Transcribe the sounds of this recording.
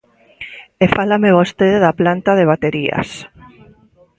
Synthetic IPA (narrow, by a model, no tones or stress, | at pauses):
efalameβost̪eðeðaplant̪aðeβ̞at̪eɾia̰s